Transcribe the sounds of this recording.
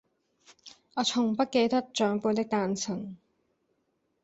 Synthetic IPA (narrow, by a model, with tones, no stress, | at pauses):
ɔː˨˧t͡sʰʊ˨˩ŋpɐ˥t̚ke˧jt̪ɐ˥t̚t͡ʃœː˨˧ŋpuː˧nt̪ɪ˥k̚t̪aː˧nt͡sʰɪ˨˩ŋ